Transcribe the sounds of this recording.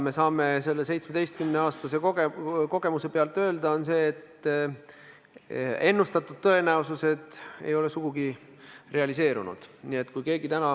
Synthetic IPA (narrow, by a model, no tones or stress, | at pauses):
me̞sɑːme̞se̞lːese̞jt̪smed̥̪ejst̪̚kymneɑːst̪ɑse̞oko̞ɡ̥e̞muse̞peɑlt̪ːˑø̞ːld̪ɑo̞nse̞ːt̪ː | e̞nːust̪ɑt̪ːˑud̪̥̚t̪ɤ̞e̞næususe̞d̪e̞̰jo̞le̞suɡ̥uɡi | re̞ɑlise̞ːɾṵnṵd̪̥niet̪ːˑkujke̞ːɡit̪ænɑ